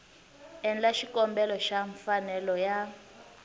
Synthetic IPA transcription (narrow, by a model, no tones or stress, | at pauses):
ɛnlaʃikɔmbɛlɔʃaɱfanɛlɔja